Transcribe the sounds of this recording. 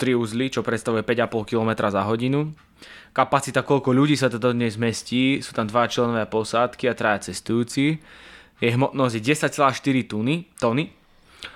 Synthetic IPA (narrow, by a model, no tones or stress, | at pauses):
t̪ɾiuzlit͡ʃɔpɾɛt̪st̪aʋujɛpɛɟapɔlˠkilɔmɛt̪ɾʔazaɦɔɟinu | kapat͡sit̪akɔʎkɔʎuɟiːsat̪ɔd̪ɔd̪ɲɛzmɛsciːsuːt̪amd̪ʋajat͡ʃlɛnɔʋɪapɔsaːt̪kiat̪ɾaʋjat͡sɛst̪ujuːt͡si | jɛɦmɔt̪nɔzɟjɛɟɛsac̚t͡sɛlaːʃt̪iɾit̪unit̪ɔni